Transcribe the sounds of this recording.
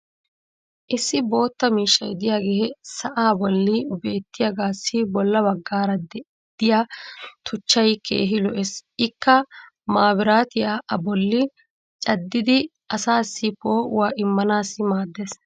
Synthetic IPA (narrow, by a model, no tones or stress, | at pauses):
ʔɪsːɪbo̞ːt̪ːɐmiːʃːɐjd̪ɪjaːɡeːɦɛsɐʔaːbɔlːɪbe̞ːt̪ːɪjaɡaːsːɪbɔlːɐbɐɡːaːɾɐd̪ɛ | d̪̥ɪjaːt̪ʰʊt͡ʃːɐjkʰḛːɦɪlɔʔɛsɪkːɐ | maːbɪɾaːt̪ɪjaːʔɐbɔlːɪ | t͡ʃʼɐd̪ːɪd̪ɪ | ɐsaːsːɪpoːʔʊ̰waːʔɪmːɐnaːsːɪmaːd̪ːeːs